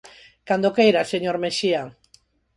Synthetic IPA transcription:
kand̪okejɾaseɲoɾmeʃia

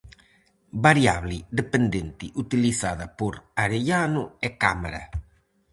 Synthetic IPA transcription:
baɾjaβlid̪epend̪ent̪iʔut̪ilisaðapuɾaɾeʎanuekamaɾa̰

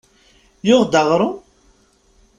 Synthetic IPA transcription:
jʊʁd̪ɑʁɾˤʊ

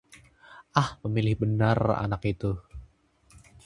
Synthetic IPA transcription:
ʔahpəmilɪhbənara̰nakit̪u

